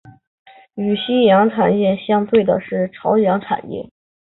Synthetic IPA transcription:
y˨˩ɕi˥jɑ˧˥ŋʈ͡ʂʰa̰˨˩njɛ˥˩ɕjɑ˥ŋt̪we˥˩ɪd̪ə̰˩ʂɻ̩˥˩ʈ͡ʂʰɑ˧˥ʊjɑ˧˥ŋʈ͡ʂʰa̰˨˩njɛ̰˥˩

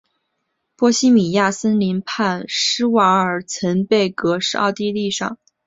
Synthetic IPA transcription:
pwɔ˥ɕi˥mi˨˩ja˥˩sə˥nli˧˥npʰa˥˩nʂɻ̩˥wa˧˥ə˞˨˩t͡sʰə˧˥npe˥˩ɪkɤ˧˥ʂɻ̩˥˧ɑ̰˥˧ʊt̪i˥˧li˥˧ʂɑ̰˥˩ŋ

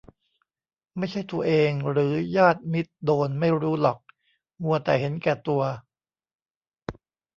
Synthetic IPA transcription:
ma˥˩jt͡ɕʰa˥˩jt̪u˧ɐʔeː˧ŋɾɯː˩˦jaː˥˩t̪̚mi˦˥t̪̚doː˧nma˥˩jɾuː˦˥lɔ˨˩k̚ | ŋu˧ɐt̪ɛ̰ː˨˩he˩˦nkɛː˨˩t̪u˧ɐ

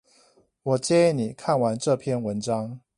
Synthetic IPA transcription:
wɔ˨˩t͡ɕjɛ˥i˥˩ni˨˩kʰa˥˩˨nwa˧˦nʈ͡ʂɤ˥˧pʰjɛ˥˨nwə˧˦nʈ͡ʂɑ˥˦ŋ

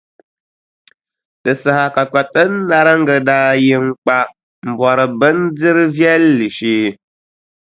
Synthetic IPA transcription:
tɨ˨sa˨ha˨ka˨k͡pa˨tɨ˦n̩ː˦a˦ɾɨ˦ŋ̩˦ɡə˨da˦ji˦ŋ˦k͡pa˦ | m̩˨bɔ˨ɾɨ˨bɨ˦n˦d͡zɨ˦ɾɨ˦vjɛ˦lːi˨ʃiː˦

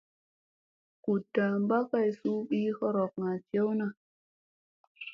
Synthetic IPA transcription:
ku˨da˨mba˦ka˦˨jsu˦ɓi˦kɔ˦ɾɔ˨k̚ŋa˨t͡ʃje˦wna˦˨

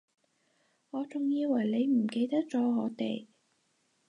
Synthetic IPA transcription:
ŋɔː˨˧t͡sʊ˨˩ŋjiː˧wɐ˨˩jle˨˧jm̩˨˩ke˧jt̪ɐ˥k̚t͡sɔː˨˥ŋɔː˨˧t̪ḛ˨˩j

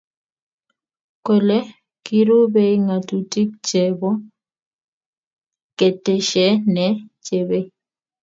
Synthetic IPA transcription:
ko˨lɛ˦ | ki˦ɾo˦be˦i˦ŋa˨tu˨ti˦k̚t͡ʃɛ˨bɔ˦ | kɛ˨tɛ˨ʃɛ˨˦nɛ˨˦t͡ʃe˨be˦

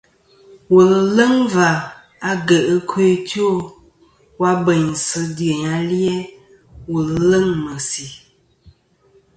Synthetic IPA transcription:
wə˨llə˦ŋva˨ | a˨ɡə˨ʔə˦kʰo˦to˦˨ | wa˦bə˨ɲ˨sɨ˦də˨ɲa˨li˦ɛ˦ | wə˨llə˦ŋmə˨si˨

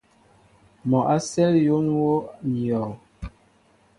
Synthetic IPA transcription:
mɔ˨ʔa˦sɛ˦ljo˦nwo˦n˨ɔ˨w

